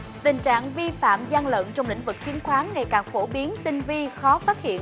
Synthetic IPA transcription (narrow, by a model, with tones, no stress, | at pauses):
t̪ï˨˩ŋ̟t͡ɕa̰ː˧˨ŋvi˧fa̰ː˧˨mza˧ŋlə̰ː˧˨nt͡ɕɔ˧wŋ͡mlḭ˧˥ŋ̟vɨ˨˩k̚t͡ɕi˨˦ənxwaː˨˦ŋːa˨˩jkaː˨˩ŋfo˧˩ɓi˨˦ənt̪ï˧ŋ̟vi˧xɔ˨˦faː˦˥t̚hḭ˧˨ən